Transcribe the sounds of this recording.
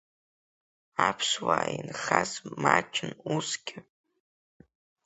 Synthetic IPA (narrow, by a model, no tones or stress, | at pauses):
apʰʂwaːinχazmat͡ʃʰɪnusɡʲɪ